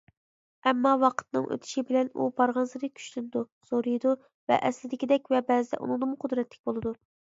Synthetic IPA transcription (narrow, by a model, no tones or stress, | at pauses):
ɛmːɑwɑqʰə̥t̪nɨ̰ŋʔø̰t̪ʰɪ̥ʃibɪlɛnṵbɑɾʁɑnsɨɾɨkʲʰy̥ʃlynɪd̪u | soɾɨjd̪u | vɛ̰ʔɛslɪd̪ɪkʲid̪ɛkʲvɛbɛzɪd̪ɛ̰ʔṵnɨŋd̪ɨmʊqʰʊd̪ɾɛt̪ʰːɪ̥kʲbolˠɨd̪u